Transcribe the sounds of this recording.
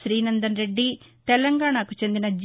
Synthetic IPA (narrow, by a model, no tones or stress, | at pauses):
ɾiːnɐnd̪ɐnɾe̞ɖːit̪ɛlɐŋɡaːɳakut͡ʃe̞nd̪inɐd͡ʒ